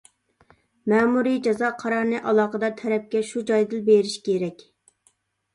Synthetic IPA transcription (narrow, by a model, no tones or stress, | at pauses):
mɛːmuɾid͡ʒɑzɑqʰɑɾɑɾnɨʔɑlˠɑːqəd̪ɑt̪ʰɛɾɛp̚kʲɛʃud͡ʒɑjd̪ɨlbeɾiʃkʲʰeɾɛkʲ